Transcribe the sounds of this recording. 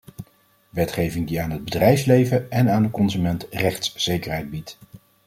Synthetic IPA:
ʋɛtχejvɪŋdiaːnɦəd̚bədrɛjfslejvəɛnaːndəkɔnzymɛntrɛχtsz̥ejkəɹɦɛjd̚bit

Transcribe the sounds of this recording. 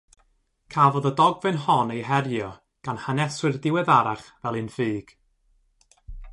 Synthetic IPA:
kʰaːvɔðədɔɡvɨnhɔnejɦɛɾjɔ | ɡ̥anhanɛswɪrdɪwɛðaɾaχvɛlˠɨnfɨːɡ̥

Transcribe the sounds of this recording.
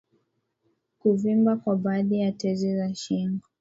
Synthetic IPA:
kuvimbakwaɓaːðijatɛzizaʃiŋɡɔ

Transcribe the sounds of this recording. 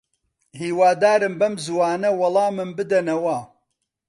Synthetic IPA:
hiːwaːd̪aːɾɨmbɐmzuwaːnɐwɐlˠɑːmɨmbɨd̪ɐnɐwɐ

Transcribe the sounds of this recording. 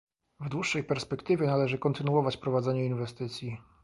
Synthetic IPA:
vd̪wuʂːɛjpɛɾspɛkt̪ɘvʲjɛnalɛʐɘkɔnt̪ɘnuɔvat͡ɕpɾɔvad̪zɛɲɛinvɛst̪ɘt̪sʲji

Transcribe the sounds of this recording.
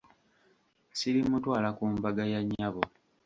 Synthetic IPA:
silimutwaːlakuːmbaɡajaɲːaβo

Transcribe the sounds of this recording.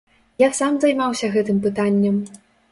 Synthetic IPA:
jasamzajmawsʲɐɣɛt̪ɨmpɨt̪anʲːɛm

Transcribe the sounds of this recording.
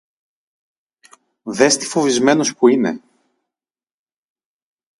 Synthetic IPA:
ðe̞st̪i̥fo̞vizme̞no̞spuine̞̰

